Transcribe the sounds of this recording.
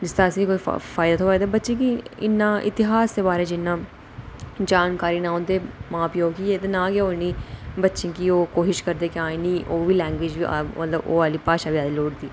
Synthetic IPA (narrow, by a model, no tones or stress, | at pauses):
d͡ʒɪst̪aːsĩːkoːḭːfʰaːd̪ət̪ɦoːaːd̪abətːʃẽːkiɪ̰nːãːʔɪ̰t̪ɪɦaːsd̪eːbaːɾeːd͡ʒɪnːãː | d͡ʒaːnkaːɾiːnãːõːnd̪eːmãːpjoːɡkiːeːt̪̬eːnãːɡjeoːnĩːbətːʃẽːkiːoːkoːʃɪʃkəɾd̪eːkɪãːnĩːʔoːʋiːlɛ̃ːŋɡweːd͡ʒʋiːa̰mə̰t̪ləbo̰ːaːliːpaːʃaːʋiaːd̪eːloːɽd̪iː